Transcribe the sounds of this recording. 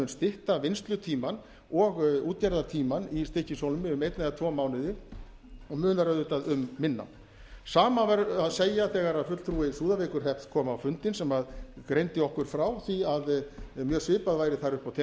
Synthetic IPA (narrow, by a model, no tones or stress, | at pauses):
ʏnst̪ɪht̪avɪnst̪lʏt̪ʰiːman | ɔɣuːt̪caɾðaɾt̪ʰiːmanist̪ehcɪsowlʏmɪʏmejt̪naðat̪ʰvɔːmaːwnɪðɪ | ɔmʏːnaɾœːðʏt̪aðʏmːɪnːa̰ | saːmavɛɾaðseːjaθɛːɣaɾaðfʏt̪l̥t̪ʰɾuːɪsuːðaveːkʏɾ̥hɛht̪kʰɔːmawfʏnt̪ɪnsɛmaðkɾejnt̪ɪɔhkʏɾ̥fɾawθiaðmjœːsvɪːpaðvaːjɾɪθaɾʏhpawt̪ʰɛ